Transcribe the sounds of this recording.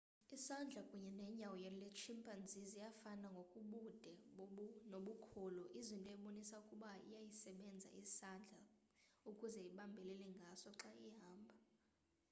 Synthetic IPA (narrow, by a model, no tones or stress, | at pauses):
isand͡ɮʱakʼuɲɛnɛɲawɔjɛlɛt͡ʃʰimpʼand͡zʱizijafanaŋɡʱokʼuɓud̥ʱɛɓnoɓukʰuluʔizintʼɔɛɓonisaukʼuɓaḭjajisɛɓɛnd͡zʱa̰ʔisand͡ɮʱa | ukʼuzɛiɓambʱɛlɛlɛŋɡʱasɔǁaiɦaːmbʱa